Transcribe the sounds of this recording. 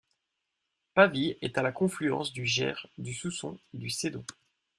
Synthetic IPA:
paviɛt̪alakɔ̃flyɑ̰̃sd̪yʒɛ̰ʁd̪ysusɔ̃ed̪ysed̪ɔ̃

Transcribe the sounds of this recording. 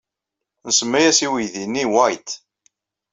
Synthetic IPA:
nəsəmːæjæsiwijðinːiwæjt̪

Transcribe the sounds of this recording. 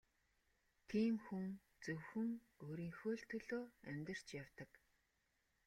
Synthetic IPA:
t̪ʰiːmxuŋ | t͡sɵwxɵ̆ŋ | oːɾiːŋxoːɬt̪ʰɵɮoːæmʲt̪ə̆r̥t͡ɕjawt̪ə̆k

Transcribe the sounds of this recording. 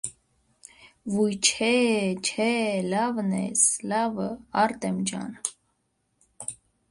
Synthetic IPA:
vujt͡ʃʰɛt͡ʃʰɛlɑvnɛ̰slɑvəɑɾt̪ɛmd͡ʒɑ̰n

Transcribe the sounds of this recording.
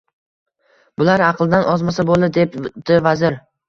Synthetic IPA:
bʊlaɾaqʰlˠd̪anʔɒzmasabolˠd̪ɪd̪epd̪̥ɪvazɪɾ

